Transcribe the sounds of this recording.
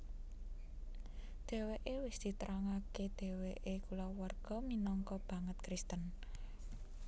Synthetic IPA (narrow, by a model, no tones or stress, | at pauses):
d̪̥e̤weʔewɪsd̪̥i̤t̪ɾaŋaked̪̥e̤weʔekulɔwarɡ̥ɔ̤minɔŋkɔb̥ä̤ŋət̪̚kɾist̪ən